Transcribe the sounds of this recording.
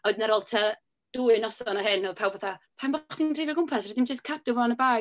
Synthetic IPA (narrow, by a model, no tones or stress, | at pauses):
ɔɨdnɛɾɔlˠtʰa | d̥uɨnɔsɔnaɦɨnɔpʰawbɔθapʰambɔχd̥indrɪvɛɡʊmpʰasrɔdimd͡ʒəskʰadʊvɔnəbaː